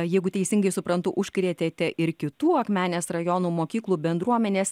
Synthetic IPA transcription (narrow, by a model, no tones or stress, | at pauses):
jɛɪɡʊt̪ʲɛɪsʲɪŋɡɐɪsʊpɾɐnt̪ʊʔʊʃʲkɾʲeːt̪ʲeːt̪ʲɛʔʔɪɾkʲɪt̪uːɐkmʲæːnʲeːsrɐjoːnuːmoːkʲiːklˠuːbʲɛnd̪ɾuɔmʲɛnʲeːs